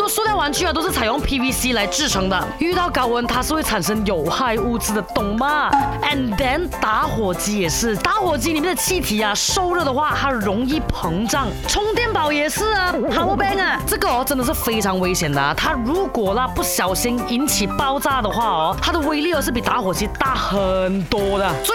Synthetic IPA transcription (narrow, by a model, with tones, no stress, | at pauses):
t̪o˥ʊʂwɔ˥t̪jɑ˥˩ʊwa˧˥nt͡ɕʰy˥˩˨t̪o˥ʊʂɻ̩ʰ˥˩a˨˩wɑ˥˧ŋpʰi˥wi˥si˥la˧˥ɪʈ͡ʂɻ̩˥˩ʈ͡ʂʰɤ˧˥ŋd̪ə̰˧y˥˧t̪ɑ˥˩ʊkɑ˧˥ʊwə˧˥nt̪ʰa˥ʂɻ̩˥˧we˥˩ʈ͡ʂʰa˨˩nʂɤ˥ŋjo˨˩ʊxa˥˧ɪu˥˧t͡sɹ̩˥d̪ə˨t̪ʊ˥˩ŋmɐ˧ɛ˨˩nd̪ɛ˧˥nt̪a˧˥xwɔ˨˩t͡ɕi˧˥jɛ˨˩ʂɻ̩˥˩t̪a˧˥xwɔ˨˩t͡ɕi˥ni˨˩mjɛ˥˩nd̪ə˧t͡ɕʰi˥˩t̪ʰi˨˩ɐ˧˩ʂo˥˧ʊɻɤ˥˩d̪ə˩xwa˥˩t̪ʰa˥ɻʊ˧˥ŋi˥˩pʰɤ˧˥ŋʈ͡ʂɑ˥˩ŋʈ͡ʂʰʊ˧˥ŋt̪jɛ˥˩npɑ˨˩˦ʊjɛ˨˩ʂɹ̩˥˩ha˨˧˩ɔ˧˥pɛ˥ŋɐ˧˩ʈ͡ʂɤ˥˩ɡə˨ɔ˧ʈ͡ʂə˧˥ŋnd̪ə˨ʂɻ̩˥˩fe˥ɪʈ͡ʂʰɑ˧˥ŋwe˥ɪɕjɛ˨˩nd̪ə̰˩t̪ʰa˥ɻu˧˥kwɔ˨˩lə˧pu˥˩ɕjɑ˨˩ʊɕi˥ni˧˥nt͡ɕʰi˨˩pɑ˥˧ʊt͡sa˥˧d̪ə˨xwa˥˩ɔ˩t̪ʰa˥d̪ə˨we˥ɪli˥˩ɔ˧˦ʂɻ̩˥˩pi˨˩t̪a˧˥xwɔ˨˩t͡ɕi˧˥t̪a˥˩xə˨˩nt̪wɔ˥d̪ə˨swɔ˥